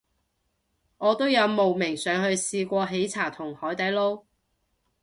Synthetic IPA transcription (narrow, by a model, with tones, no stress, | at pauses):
ŋɔː˨˧t̪o˥wjɐ˨˧wmo˨˩wmɪ˨˩ŋsœː˨˧ŋhɵ˧ɥsiː˧kʷɔː˧ɦe˨˥jt͡sʰaː˨˩t̪ʰʊ˨˩ŋhɔː˨˥jt̪ɐ˨˥jlo˥w